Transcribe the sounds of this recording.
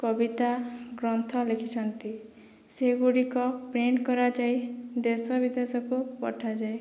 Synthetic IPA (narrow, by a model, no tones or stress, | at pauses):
kɔbit̪aɡɾɔnt̪ʰɔlekʰit͡ʃʰɔnt̪i | seɡuɽikɔpɾeɳkɔɾad͡ʒajd̪esɔbid̪esɔkupɔ̰ʈʰad͡ʒae